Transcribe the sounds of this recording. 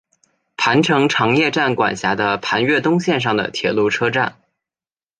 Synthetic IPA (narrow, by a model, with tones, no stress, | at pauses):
pʰa˧˥nʈ͡ʂʰɤ˧˥ŋʈ͡ʂʰɑ˧˥ŋjɛ˥˧ʈ͡ʂa˥˩nkwa̰˨˩nɕja˧˥d̪ə˧pʰa˧˥nɥɛ˥˩t̪ʊ˥ŋɕjɛ˥˧nʂ̬ɑ˥˩ŋd̪ə̰˩t̪ʰjɛ˨˩lu˥˩ʈ͡ʂʰɤ˥ʈ͡ʂa˥˩n